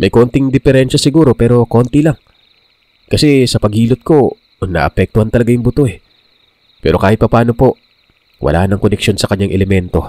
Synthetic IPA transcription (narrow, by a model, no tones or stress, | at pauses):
mɐjko̞ːnt̪ɪŋd̪ɪfɛɾɛnʃɐsɪɡuːɾo̞pɛːɾo̞ko̞nt̪ɪlaŋ | kɐsɛsɐpɐɡhiːlot̪̚ko̞ | nɐ̰ʔɐpɛk̚t̪ʊhant̪ɐlɐɡajʊŋbʊt̪ohɛ | pɛ̰ːɾo̞̰kaːhɪt̪̚pɐpaːno̞po̞ | wʔɐ̰lʔa̰ːhɐnɐŋkonɛkʃjo̞nsɐkɐɲːaŋʔɛlɛmɛnt̪o̞̰